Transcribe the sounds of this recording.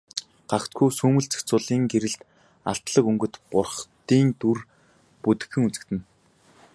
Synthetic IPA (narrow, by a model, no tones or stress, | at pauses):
ɢ̥akt̪ɡujsuːmɵ̆ɬt͡sɵ̥kt͡sʊːɮiːŋɡeɾɘ̆ɬt̪ | a̰ɬt̪ɮə̆kɵŋɡɵ̆t̪qʊrχt̪iːnt̪ur | put̪ɘ̆xɘ̆ŋut͡sɘ̆kt̪ɘ̆n